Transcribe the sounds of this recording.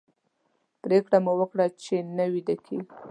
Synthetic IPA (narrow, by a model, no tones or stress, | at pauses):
pɾekɽamuwəkɽat͡ʃenəwid̪akʰi